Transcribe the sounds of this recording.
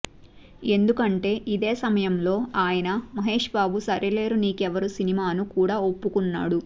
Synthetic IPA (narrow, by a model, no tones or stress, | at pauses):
e̞nd̪ukɐɳʈe̞ːʔid̪e̞ːsɐmɐjɐmlo̞ːaːjɐnɐmɐɦe̞ːʂbaːbusɐɾile̞ːɾuniːkɛʋɐɾusinimaːnukuːɽaːopːukunːa̰ːɽu